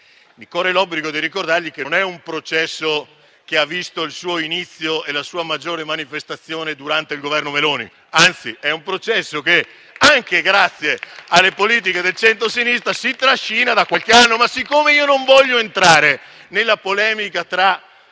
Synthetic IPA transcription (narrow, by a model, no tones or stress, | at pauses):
mikorelɔbliɡod̪iɾikord̪arʎikenɛumpɾot͡ʃɛsːo | k̟eavːist̪oilsuːoinit̪sːjoelasuːamad͡ʒːoːɾemanifest̪at̪sːjoːned̪uɾant̪eilɡovɛrnomeloːnḭ | ant̪siɛumpɾot͡ʃɛsːok̟e | aŋkeɡɾat̪sːjealːepoliːt̪̬iked̪elt͡ʃɛnt̪ɾos̬inist̪ɾasit̪ɾaʃːiːnad̪akːwalkeanːomasikːomeiːonoɱvɔʎːoent̪ɾaːɾe | nelːapolɛːmikat̪ɾa